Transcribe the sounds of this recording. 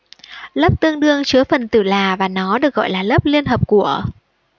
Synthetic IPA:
lə˦˥p̚t̪ɨ˧əŋɗɨ˧əŋt͡ɕɨ˨˦əfə˨˩nt̪ɨ˧˩laː˨˩vaː˨˩nɔ˨˦ɗɨ˨˩ək̚ɣɔ̰˧˨jlaː˨˩lə˦˥p̚li˧ənɦəː˨˩p̚ku˧˩ə

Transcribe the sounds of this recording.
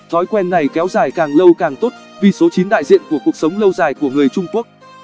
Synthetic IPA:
t̪ʰɔ˨˦jkwɛ˧nːa˨˩jkɛ˨˦wzaː˧˩jkaː˨˩ŋlə˧wkaː˨˩ŋt̪o˦˥t̚vi˨˩so˨˦t͡ɕi˨˦nɗa̰ː˧˨jzḭ˧˨ənku˧˩əku˨˩ək̚sə˨˦wŋ͡mlə˧wzaː˨˩jku˧˩əŋɨ˨˩əjt͡ɕʊ˧ŋ͡mku˦˥ək̚

